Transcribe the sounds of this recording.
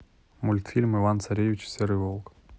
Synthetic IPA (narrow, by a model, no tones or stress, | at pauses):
mulʲt̪fʲilʲmɨvant̪sɐɾʲejvʲit͡ɕsʲeɾɨvolˠk